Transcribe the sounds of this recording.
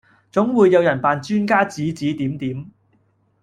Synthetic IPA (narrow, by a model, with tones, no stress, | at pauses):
t͡sʊ˨˥ŋwuː˨˧jːɐ˨˧wjɐ˨˩npaː˨nt͡ʃyː˥nkaː˥t͡siː˨˥t͡siː˨˥t̪iː˨˥mt̪iː˨˥m